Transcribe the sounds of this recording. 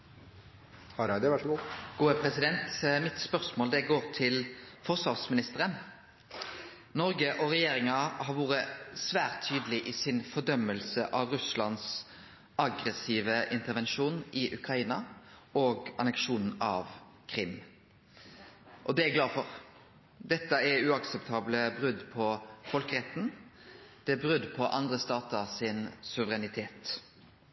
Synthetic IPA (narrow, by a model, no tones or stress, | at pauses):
hɑɾɑd̪ɛʋæʂɡuːɡ̥uːəpʰɾɛsɪd̪ɛnt̪mɪt̪spœʁsmoːld̪ɛɡoːʁt̪ʰɪlfɔʁsʋɑʁsmɪnɪst̪əʁən | nɔɾɡəʔɔʁɛjeːɾɪŋɑhɑʁʋuːʁəsʋæːʁt̪ʰːyːd̪əlɪʔisɪnfɔd̪œmːəlsəʔɑʋʁʉslɑns | ɑɡʁɛsiːʋəʔɪnt̪əʁʋɛnʃuːnʔɪʔʉkʰʁɑiːnɑoːɡɑ̰nɛkʃuːnn̩ɑʋ | kʰɾɪm | ʔɔd̪ɛæɡlɑːfɔɾ | d̪ɛt̪ːəɛʉːɑksɛpt̪ʰɑːbləbɾʉd̪pʰɔfɔlkəʁɛt̪n̩ | d̪̥ɛbɾʉd̪pʰɔʔɑnd̪ʁəst̪ɑːt̪əɾsɪnsʉʋəʁɛnɪt̪ʰeːt̪